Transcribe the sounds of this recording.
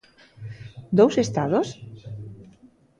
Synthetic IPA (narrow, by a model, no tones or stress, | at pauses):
d̪owsest̪aðos